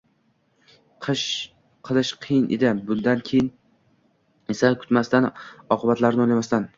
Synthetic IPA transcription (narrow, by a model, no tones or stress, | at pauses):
ʃ | qʰɨlˠɪʃqʰɨjɪnʔḛd̪ɪbʊnd̪ankʲʰejɪn | esakʰʊ̥t̪mast̪anɒqʰɨbat̪laɾnɪojlʲamast̪an